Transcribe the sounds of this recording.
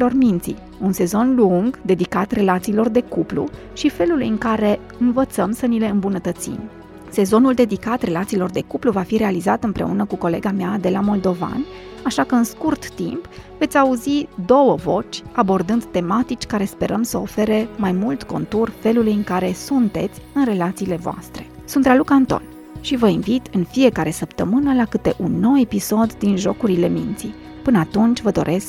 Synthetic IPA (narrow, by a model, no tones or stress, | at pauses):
ilo̞rmint̪sḭ | unse̞zo̞nluŋɡd̪e̞d̪ikat̪re̞lat̪siːlo̞rd̪e̞kuplṵ | ʃife̞lulujɨŋkaɾe̞ | ɨnvət̪səmsənile̞ɨmbunət̪ət̪sḭm | se̞zo̞nuld̪e̞d̪ikat̪re̞lat̪siːlo̞rd̪e̞kupluvafiɾe̞alizat̪ɨmpɾe̞̰unəkuko̞le̞ɡamead̪e̞lamo̞ld̪o̞va̰n | aʃakəɨnskurt̪ːḭmpve̞t̪sʲauzid̪o̞wəvo̞t͡ʃʲabo̞rd̪ɨnd̪t̪e̞mat̪it͡ʃʲkaɾe̞spe̞ɾʔəmsəofe̞ɾe̞majmult̪ko̞̰nt̪urfe̞lulujɨŋkaɾe̞sunt̪e̞t̪sʲɨnre̞lat̪siːle̞voa̰st̪ɾe̞̥ | sunt̪ɾalukant̪o̞̰n | ʃivəinvit̪ɨnfije̞kaɾe̞səpt̪əmɨnəlakɨt̪e̞̰ʔunːo̞we̞piso̞d̪ːinʒo̞kuɾile̞mḭnt̪si | pɨnəat̪unt͡ʃʲvəd̪o̞̰ɾʔe̞sk